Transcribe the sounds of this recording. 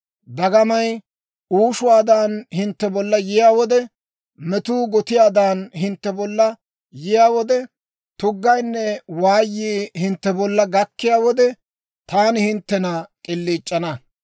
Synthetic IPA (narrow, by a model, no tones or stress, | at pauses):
d̪ɐɡɐmɐj | uːʃʊwaːd̪aːnhɪnt̪ːɛbɔlːɐjɪjaːwɔd̪ɛ | mɛt̪uːɡɔt̪ɪjaːd̪aːnɦɪnt̪ːɛbɔlːɐ | jɪjaːwɔd̪ɛ | t̪ʊɡːɐjnːɛwaːjːiːhɪnt̪ːɛbɔlːɐɡɐkːɪjaːwɔd̪ɛ | t̪aːnɪhɪnt̪ːɛnɐkʼɪlːiːt͡ʃʼːɐnɐ